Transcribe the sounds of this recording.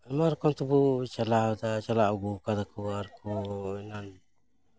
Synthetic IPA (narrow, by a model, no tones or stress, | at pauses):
amaɾkɔnt̪ubut͡ʃalad̪at͡ʃalauɡukad̪akuaɾkuinan